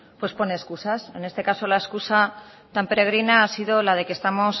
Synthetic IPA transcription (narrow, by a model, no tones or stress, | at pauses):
pwe̞spo̞neːskusase̞ne̞st̪e̞kaso̞laeskusa | t̪ampe̞ɾe̞ɣ̞ɾinaasiðo̞lað̞e̞kest̪amo̞s